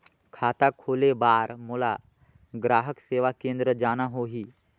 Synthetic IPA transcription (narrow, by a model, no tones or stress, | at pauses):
kʰaːt̪akʰoːlebaːɾmʊːla | ɡɾaːɦəkseːʋakẽːnd̪ɾəd͡ʒaːnaɦoːɦiː